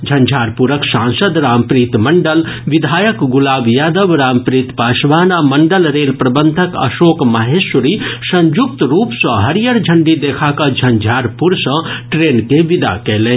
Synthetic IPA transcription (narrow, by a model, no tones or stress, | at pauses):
d͡ʒʱɐ̃nd͡ʒʱaːɾpuɾəksãːnsəd̪ɾaːmpɾiːt̪mɐɳɖəl | ʋid̪ʱaːjəkɡʊlaːbjaːd̪əʋɾaːmpɾit̪paːsʋaːnamɐɳɖəlɾeːlpɾɐbənd̪ʱəkə̰ʃoːkmaɦesuɾisɐ̃nd͡ʒuk̚t̪ɾuːpsə̃ɦɐɾijəɾd͡ʒʱəɳɖid̪eːkʰakad͡ʒʱɐnd͡ʒʱaːɾpuɾsɐ̃ʈɾeːnkeʋid̪a̰kɛːleːn